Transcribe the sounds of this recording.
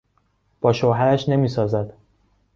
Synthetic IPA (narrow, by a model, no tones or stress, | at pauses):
b̥ɒːʃoɦæɾæʃne̞miːsɒːzæd̪̥